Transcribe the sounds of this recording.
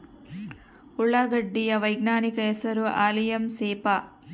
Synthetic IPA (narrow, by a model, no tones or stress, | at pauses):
uɭːaːɡɐɖːijɐʋɐjɡnaːnikɐɛsɐɾuʔaːlijɐmseːpa